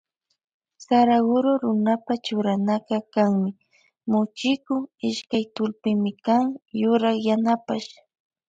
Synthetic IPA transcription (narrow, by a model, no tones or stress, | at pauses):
saɾaɡʊɾoɾʊnapat͡ʃʊɾanaqɑkaŋmɪ | mʊt͡ʃɪkʊɪʃkajt̪ʊlpɪmɪkaŋjʊɾɑχjanapaʃ